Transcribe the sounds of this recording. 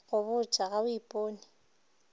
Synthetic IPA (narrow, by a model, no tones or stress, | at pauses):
ɣʊβʊt͡ʃʼaɣabʊipʼoːnɪ